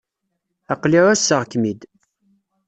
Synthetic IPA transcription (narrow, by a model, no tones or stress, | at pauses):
ɑqliʕæsːəʁkːmid̪